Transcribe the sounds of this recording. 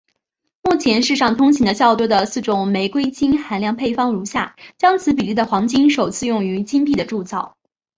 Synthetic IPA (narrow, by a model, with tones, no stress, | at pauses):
mu˥˩t͡ɕʰjɛ˧˥nʂɻ̩˥˧ʂɑ˥˩ŋt̪ʰʊ˥ŋt͡ɕʰi˧˥ŋd̪ə˧ɕjɑ˥˩ʊt̪wɔ˥d̪ə˨sɹ̩˥˩ʈ͡ʂʊ˨˩ŋme˧˥ɪkwe˥ɪt͡ɕi˥nxa˧˥nljɑ˥˧ŋpʰe˥˩ɪfɑ˥˩ŋɻu˧˥ɕja˥˩t͡ɕjɑ˥ŋt͡sʰɹ̩˧˥p̬i˨˩li˥˩d̪ə˩xwɑ˧˥ŋt͡ɕi˥nʂo˨˩ʊt͡sʰɹ̩˥˧jʊ˥˩ŋy˧˥t͡ɕi˥npi˥˩d̪ə˩ʈ͡ʂu˥˧t͡sɑ˥˩ʊ